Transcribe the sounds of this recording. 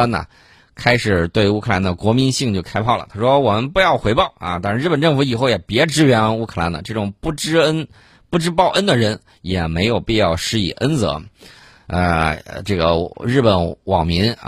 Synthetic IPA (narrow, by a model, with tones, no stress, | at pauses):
a˥nə̰˨ | kʰa˥ɪʂɻ̩˨˩t̪we˥˩ɪu˧˥kʰɤ˥˧la˧˥nd̪ə˧kwɔ˧˥mi˧˥nɕi˥˧ŋt͡ɕjo˥˧ʊkʰa˥ɪpʰɑ˥˩ʊlə̰˩t̪ʰa˥ʂwɔ˥wɔ˨˩mə˧˦npu˧˥jɑ˥˩ʊxwe˧˥ɪpɑ˥˩ʊɐ̰˧t̪a˥˧ʂɻ̩˧ɻ̩˥˩pə˨˩nʈ͡ʂɤ˥˩ŋfu˧˥i˨˩xo˥˩ʊjɛ˨˩pjɛ˧˥ʈ͡ʂɻ̩˥ɥɛ˧˥n˥u˥kʰɤ˧˩la̰˧˥nd̪ə̰˧ʈ͡ʂɤ˥˩ʈ͡ʂʊ˨˩ŋpu˥˩ʈ͡ʂɻ̩˥ə˥n | pu˥˧ʈ͡ʂɻ̩˥pɑ˥˧ʊʔə˥nd̪ə˨ɻə˧˥n | jɛ˨˩me˧˥ɪjo˨˩ʊpi˥˧jɑ˥˧ʊʂɻ̩˥ḭ˨˩ʔə˥nt͡sɤ̰˧˥ | ə̰˧ʈ͡ʂɤ˥˩ɡə̰˩ɻɻ̩˥˩pə˧˩nwɑ˨˩ŋmi˧˥n